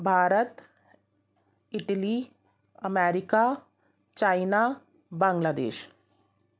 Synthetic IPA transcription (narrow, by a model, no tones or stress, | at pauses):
bʱaːɾət̪ | ɪʈli | ɐmɛːɾɪka | t͡ʃaːɪna | bãŋɡlaːd̪ḛːʃ